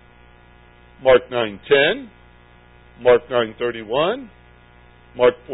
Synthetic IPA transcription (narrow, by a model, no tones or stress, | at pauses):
mɑɹk̚nãɪ̃ntʰɛ̃n | mɑɹk̚nãɪ̃nθɜ˞ɾiwʌ̃n | mɑɹk̚pʰ